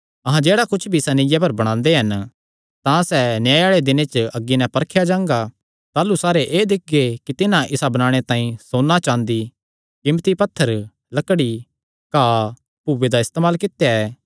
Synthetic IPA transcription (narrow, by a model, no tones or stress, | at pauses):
ɐɦãd͡ʒeːɽakʊt͡ʃʰbʱisɐnɪjap̬ɐɾbɐɽ̃ãːnd̪eɦɐn | t̪ãsɛnjaːeaːɭed̪ɪnet͡ʃɐɡːinɛ̃pɐɾkʰjad͡ʒãːŋɡa | t̪aːlusaːɾeʔeːd̪ɪk̚ʰɡekit̪ɪnãʔɪsabɐnaːɽ̃et̪ãːĩsoːnːat͡ʃãːnd̪i | kɪmt̪ipɐt̪ʰːəɾ | lɐkɽi | kaː | puːʋed̪aɪst̪eːmaːlkɪt̪ejaɛː